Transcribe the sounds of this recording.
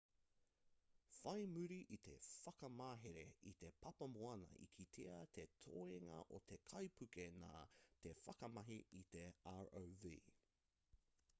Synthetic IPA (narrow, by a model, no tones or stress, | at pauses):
fɐjmʉɾiʔit̪ʰe̞̰fɐkɐmaːɦeɾeit̪e̞pʰɐpɐmoɐnɐ̰ʔḭkʰit̪ʰeɐt̪ʰetʰo̰eŋɐ̰ʔot̪ʰe̞kʰɐjpʰʉkena̰ːt̪e̞fɐkɐmɐɦiit̪e̞aɹowvḭː